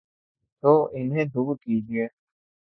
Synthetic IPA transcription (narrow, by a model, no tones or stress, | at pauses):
t̪oːɪnɦẽːd̪ʱʊɡkiːd͡ʒɪeː